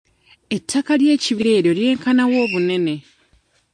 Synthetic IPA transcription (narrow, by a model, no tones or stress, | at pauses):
e̞tʰːakalje̞ːciβiɾe̞ːɾjo̞lje̞ːŋkanawo̞ːβune̞ne̞